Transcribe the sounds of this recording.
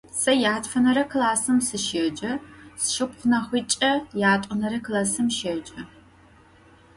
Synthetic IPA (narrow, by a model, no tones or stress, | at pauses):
sɐjaːtfɐnɐɾɐkɨlaːsɨmsɨʃed͡ʒʼɐsʃɪpχʷʊnɐχʷiːt͡ʃʼɐjaːtʷʼʊnɐɾɐklaːsɨmʃed͡ʒʼɐ